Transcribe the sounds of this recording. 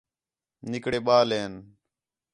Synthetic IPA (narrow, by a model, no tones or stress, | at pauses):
nɪkɽeːɓaːleːn